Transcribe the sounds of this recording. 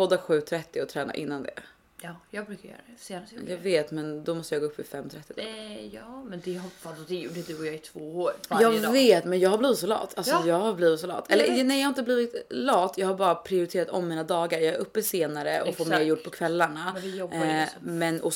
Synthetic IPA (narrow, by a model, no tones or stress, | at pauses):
pɔd̪ːaɧʉ̟ːt̪ʰɾɛt̪ːɪɔt̪ʰɾɛːna̰ʔɪ̰nːand̪ɛ̰ː | jɑɡbɾʉ̟ːkaɾjœ̰ːɾad̪ɛjɑːɡveːt̪mɛnd̪ɔmɔst̪əjɑɡopːvɪ̰fɛmːt̪ʰɾɛt̪ːɪd̪ɑ̰ːjɑːmɛnd̪ɛhɔfad̪d̪ɛjuɖəd̪ʉɔjɑɛt̪ʰvoːoɾjɑːɡveːt̪mɛnjɑːɡhabliːvɪt̪sɔlɑ̰ːt̪ʰːalsɔjɑːɡhaɾbliːvɪt̪sɔlɑ̰ːt̪ʰːɛlːənɛjɑhaɾɪnt̪əbliːvɪt̪lɑːt̪ːjɑːɡhaɾbɑːɾapʰɾɪʊɾɪt̪ʰeːɾat̪ɔmːiːnad̪ɑːɡaɾjɑːɡɛɾʔɵpːəseːnaɾəʔɔfoːɾmeːɾjʊʈːpʰɔkʰvɛlːaɳajɔbmɛnɔ